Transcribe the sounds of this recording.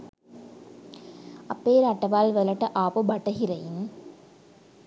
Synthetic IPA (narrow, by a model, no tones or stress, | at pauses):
ɐpːeːɾɐʈːɐʋaːlʋɛlɐʈːɐʔaːpobɐʈːɐɦɪɾɐjɪn